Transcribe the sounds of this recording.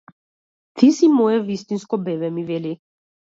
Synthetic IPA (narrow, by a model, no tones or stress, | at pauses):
t̪ʰisimɔɛvist̪inskɔbɛvɛmivɛli